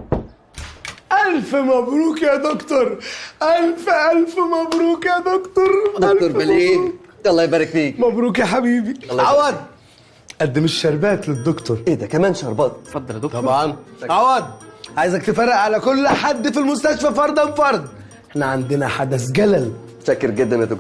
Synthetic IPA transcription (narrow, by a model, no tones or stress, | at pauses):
ʔælfmæbɾuːkjæd̪okt̪oɾˤʔælfʔælfmæbɾuːkjæd̪okt̪oɾˤloɾæleːuɑlˤːɑːjbæːɾekfiːkmæbɾuːkjaħabiːbiːʕawæd̪̚ | ʔæd̪ːemeʃːɑɾˤbæːt̪led̪ːokt̪oɾˤʔeːd̪ækæmæːnʃɑɾˤbɑːt̪fɑd̪ˤːɑlot̪ˤɑbʕɑnʕawæd̪ʕaːjzæk̚t̪efɑrːeʔʕalækolːħad̪ːfilmost̪æʃfæfɑɾˤd̪ˤɑnfɑɾˤd̪ˤ | ʔeħnæʕand̪ɪnæħad̪æsɡælæl | ʃækːeɾɡed̪ːæmjæd̪ok